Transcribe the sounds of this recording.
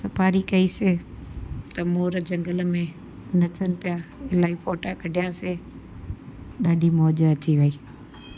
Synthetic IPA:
sɐpʰaːɾikɐiːse | t̪ɐmoːɾd͡ʒɐ̃ŋɡəlmẽ | nɐt̪ʰənɪ̆pɪjaɪlaːifoːʈakɐɖʱɪjaːse | ɗaːɖʱimoːd͡ʒəɐt͡ɕiʋɐiː

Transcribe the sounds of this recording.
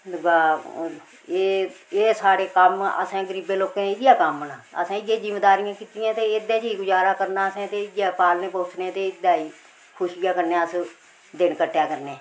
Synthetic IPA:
ɡaː | eːeːsaːɾeːkəmə̰sãːɡəɾiːbeːloːkeːneːjaːkəmːənaːə̰sãːɪɡẽːd͡ʒɪmeːd̪aːɾɪjãːkiːt̪ɪjãːt̪eːɪd̪ãːt͡ʃiːɡʊd͡ʒaːɾaːkəɾnaːəsãːt̪eːɪɡaːpaːlnẽːpoːt͡ʃnẽːt̪eːɪd̪aːiː | kʰʊʃɪjaːkəɾneaːəs | d̪ɪnkəʈʰːjaːkəɾneː

